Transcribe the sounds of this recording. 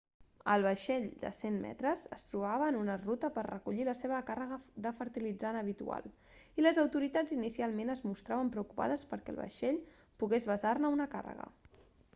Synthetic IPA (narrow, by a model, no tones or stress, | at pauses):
əlˠβəʃɛʎd̪ə̰senmɛ̰t̪ɾəzəst̪ɾuβaβəːnunərut̪əpərrəkuʎiləseβəkarəɣəðəfəɾt̪ilid͡zanəβ̞it̪ṵa̰lˠ | iləzəwt̪uɾit̪ad͡zinisialˠmenəzmust̪ɾaβəmpɾəukupa̰ðəspəɾkɛ̰ə̰lˠβə̰ʃɛʎ | puɣezβəzarnəunəka̰rə̰ɣə̰